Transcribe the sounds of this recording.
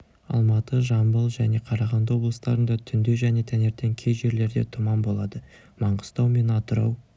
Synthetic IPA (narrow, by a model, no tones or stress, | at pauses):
ɑ̰lˠmɑt̪əʒɑmbəlˠʒæne̞qʰɑɾɑʁɑnd̪əwo̞blˠəst̪ɑɾənd̪ɑt̪ʰʏnd̪e̞ʒæne̞t̪ʰæne̞ɾt̪e̞ŋkʲʰe̞jʒe̞ɾle̞ɾd̪e̞̰t̪ʰʊmɑmbo̞lˠɑd̪ə | mɑɴʁəst̪ɑwme̞nɑt̪əɾɑ̰w